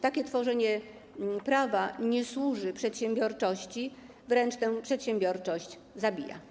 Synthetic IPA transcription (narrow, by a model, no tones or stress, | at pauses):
t̪akʲɛt̪fɔʐɛɲɛ | pɾavaɲɛswuʐɘpʂɛt̪ɕɛ̃mbʲjɔɾt͡ʂɔɕt͡ɕi | vɾɛnt͡ʂt̪ɛ̃wpʂɛt̪ɕɛmbʲjɔɾt͡ʂɔɕd͡ʑ | zabʲija̰